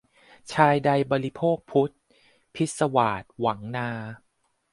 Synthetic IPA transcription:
t͡ɕʰaː˧jda˧jbɔː˧ɾi˦˥pʰoː˥˩k̚pʰu˦˥t̪̚ | pʰi˦˥t̪̚sa˧waː˨˩t̪̚wa˩˦ŋnaː˧

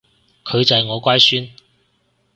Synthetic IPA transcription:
kʰɵ˨˧ɥt͡sɐ˨jŋɔː˨˧kʷaː˥jsyː˥n

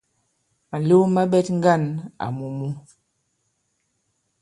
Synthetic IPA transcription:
ma˨lo˦ma˦ɓɛ˦tŋ̩˦ɡa˦˨na̰˨mu˨mu˦

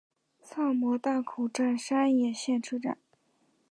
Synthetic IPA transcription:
t͡sʰɑ˥˩ŋmwɔ˧˥t̪a˥˩kʰu˨˩ʈ͡ʂa˥˩nʂa˥njɛ˨˩ɕjɛ˥˩nʈ͡ʂʰu˥ʈ͡ʂa̰˨˩˦n

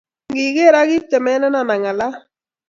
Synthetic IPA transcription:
ŋɡɪ˨ɣe˦˨ɾa˦ɣɪ˦tɛ˨mɛ˦nɛ˦na˨na˨ŋa˨la˦

